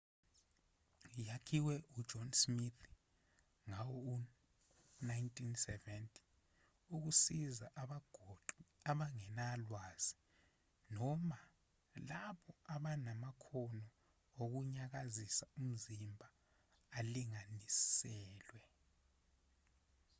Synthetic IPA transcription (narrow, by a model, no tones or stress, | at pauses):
jakʰiwɛʔud̥ʒ̥ʱɔnsmit̪ʰ | ŋawɔu | najntʼinsɛvɛntʰʼi̥ | uk̬usizaʔaɓaɡ̥ʱɔǃiaɓaŋɛnalwaz̥i | nɔma | laɓɔaɓanamakʰɔnɔ | ok̬uɲak̬azisaum̩zimbʱaː | liŋanissɛːlwɛ